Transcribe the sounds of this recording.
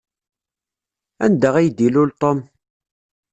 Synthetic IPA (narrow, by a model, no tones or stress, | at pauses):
æ̰nd̪əʁæjd̪ilʊlt̪ˤom